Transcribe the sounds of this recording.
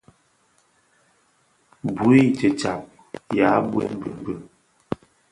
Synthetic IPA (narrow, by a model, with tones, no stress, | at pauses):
bu˨˦i˦t͡ʃə˨t͡ʃa˨p̚ | ja˨˦bwɛ̰˦m˦bə̰˨m˦bə˨